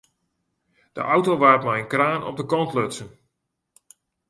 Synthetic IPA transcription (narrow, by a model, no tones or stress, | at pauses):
d̥ə̰ʔawtowʋaːrtmajənkraːnɔ̰p̚dəkɔntløtsən